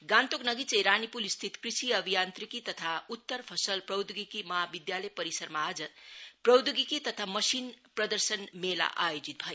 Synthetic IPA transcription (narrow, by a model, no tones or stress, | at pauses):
ɡant̪oknʌɡit͡sejɾanipulst̪ʰit̪krisiʌbʱijant̪ɾikit̪ʌt̪ʰaut̪ːərpʰʌsʌlprʌwd̪ɡikimʌɦabid̪jalʌjpʌɾisʌɾmaad͡zʌprʌwd̪uɡikit̪ʌt̪ʰamʌsinprʌd̪əɾsənmela̰ʔajod͡zit̪̚bʱʌj